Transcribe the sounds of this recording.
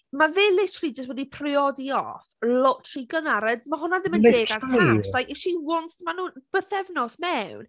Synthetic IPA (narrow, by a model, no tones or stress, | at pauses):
mavɪlɪtʰlˠid͡ʒəst̚wɛdipʰrɪɔdiɔ̰θlɔtʰr̥iɡənaɾəd̚maɦʊnaðɪməndeːɡartʰaʃl̥ajkɛʃiwɔntmanuːb̥əθɛvnɔsmɛwn